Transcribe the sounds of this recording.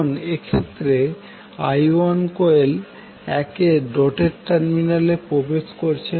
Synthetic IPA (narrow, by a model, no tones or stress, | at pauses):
nekʰet̪ːɾe | ajankoel | ɛkeɖoʈeɾʈaɾminalepɾobed͡ʑkoɾt͡ɕʰe